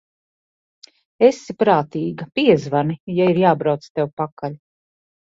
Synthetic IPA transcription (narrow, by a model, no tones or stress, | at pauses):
esipɾaːt̪iːɡɐpiɛzvanijaiɾjaːbɾawt̪st̪ɛwpakaʎʲ